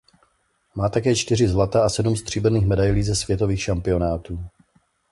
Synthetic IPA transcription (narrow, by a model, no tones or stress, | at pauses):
maːt̪akɛːt͡ʃt̪ɪr̝ɪzlat̪aʔasɛdumst̪r̝̥iːbɛniːxmɛdajliːzɛsv̥jɛt̪o̞viːxʃampɪo̞naːt̪uː